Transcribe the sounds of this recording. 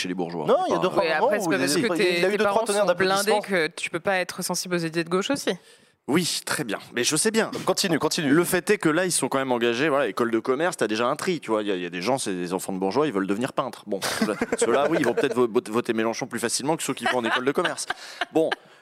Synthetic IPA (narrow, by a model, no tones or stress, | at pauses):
ʃelebuʁʒwa̰nɔ̃ilad̪eapɛɛkeilayed̪əpaʁaʁ̃t̪ənɛʁd̪aplɛ̃d̪kət̪y̥pøpaɛt̪χəsɑ̃siblozed̪it̪ed̪əɡoʃosi | wit̪χɛbjɛ̰̃mɛʒəsɛbjɛ̃kɔ̃t̪inykɔ̃t̪inyləfɛt̪ɛkəlailsɔ̃kɑ̃mɛmɑ̃ɡaʒevwalaekɔld̪əkɔmɛʁst̪yad̪eʒaɛ̃t̪χit̪yvwailjailjad̪eʒɑ̃sed̪ezɑ̃fɑ̃d̪əbuʁʒwailvəld̪əvniʁpɛ̃t̪χbɔ̃slsəlawiivɔ̃pət̪ɛt̪χvvɔt̪emelɑ̃ʃɔ̃plyfasilmɑ̃kə̥søkʲivɔ̃ɑ̃nekɔld̪əkɔmɛʁsbɔ̃